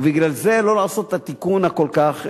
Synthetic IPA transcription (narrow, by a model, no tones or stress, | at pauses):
biɡlalze̞lo̞laːso̞t̪hat̪ikunhako̞lkaχ